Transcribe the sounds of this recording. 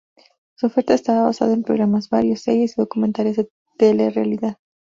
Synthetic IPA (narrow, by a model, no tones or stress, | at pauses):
suofe̞ɾt̪aest̪aβaβasa̰ðaempɾo̞ɣɾamazbaɾjo̞sːeɾje̞siðo̞kument̪aljezðe | t̪elerealiðað